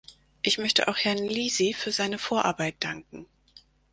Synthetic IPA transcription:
ʔɪçmœçtəʔa̰ʊxhɛɐnliːzifyːɐzaɪnəfoːɐʔaɐbaɪt̚d̥aŋk̚ŋ̩

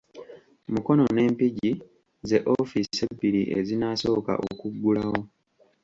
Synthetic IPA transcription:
muko̞no̞ne̞ːmpiɟi | ze̞ʔofissebːiɾiʔḛzinaso̞ːka̰ʔokuɡːulaho̞

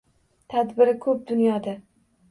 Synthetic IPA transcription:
t̪ʰad̪bɪɾɪkʰɵp̚d̪ʊnjɒd̪a

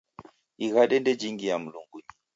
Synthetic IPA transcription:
iɣaɗɛndɛd͡ʒiŋɡijam̩luŋɡuɲi

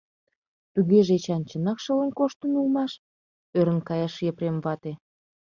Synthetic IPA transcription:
t̪uɣeʒet͡ɕɑnt͡ɕənɑkʃələ̆nkoʃt̪ənulmɑʃ | øɾə̆nkɑjɑʃjəpɾemvɑt̪e

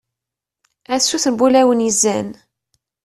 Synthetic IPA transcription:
æsːuθənbulæwənjəzːæn

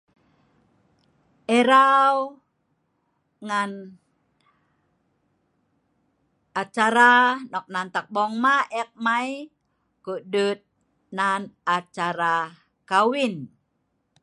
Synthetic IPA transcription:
ʔɛɾaw | ŋan | at͡ʃaɾanɔk̚nant̪ak̚bɔŋmaɛk̚maj | kuʔdut̪̚ | nanat͡ʃaɾa | kawin

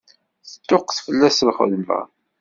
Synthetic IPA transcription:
θə̥t̪ːʊqθfəlːæsəlχə̰ðmvæ̰

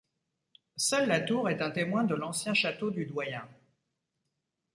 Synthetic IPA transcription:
sœlːat̪uʁɛt̪ɛ̃t̪emwɛ̃d̪əlɑ̃sjɛ̃ʃat̪od̪yd̪wajɛ̃

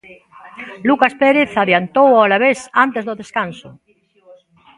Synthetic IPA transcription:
lukaspeɾeθaðjant̪owalaβesant̪ezðoðeskanso

